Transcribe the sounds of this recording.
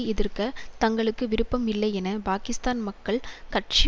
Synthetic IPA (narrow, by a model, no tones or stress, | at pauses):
ɪðɪrkɐt̪ɐŋɡɐɭɯkːɯʋɪɾɯpːɐmɪlːɐɪɛnɐpaːkɪst̪aːnmɐkːɐɭkɐʈ̚t͡ʃɪ